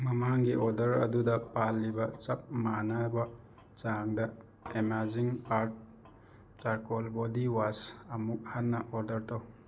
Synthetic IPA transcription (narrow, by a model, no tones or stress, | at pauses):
mɐmaŋɡiʔɔɾdɐɾɐ̰dudɐpalːibɐt͡ʃɐp̚manabɐ | t͡ʃaŋdɐ | emaɾd͡ʒiŋaɾt̚ | t͡ʃaɾkolbodiwasɐmuk̚hɐnːɐʔɔɾdɐɾtʰɐw